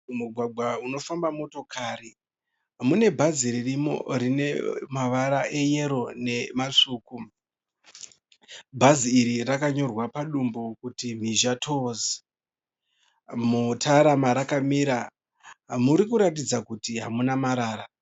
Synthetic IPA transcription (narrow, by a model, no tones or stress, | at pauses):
muɡʱwaɡʱwauno̞fambamo̞to̞kʰaːri | mune̞bʱaziɾirimo̰rine̞̰maʋaɾaʔe̞je̞ɾo̞ne̞maʂuːku | bʱaziːɾirakaɲo̞rwapaɗumbokutim̤iʒatʰozi | mutʰaɾamaɾakamiɾa | muɾikuɾatid͡zakutiɦamunamaɾaːɾa